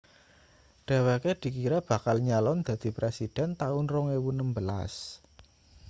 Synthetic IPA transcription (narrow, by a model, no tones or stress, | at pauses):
ɖ̥a̤weked̪̥i̤kiɾab̥ä̤kalɲalɔnd̪̥ä̤d̪̥i̤pɾesid̥ɛ̤nt̪aʊnrɔŋewunəmbəla̰s